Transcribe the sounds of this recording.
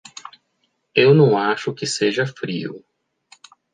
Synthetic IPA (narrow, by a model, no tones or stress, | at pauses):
ewnɐ̃w̃aʃʊkɪseʒɐfɾiʊ̰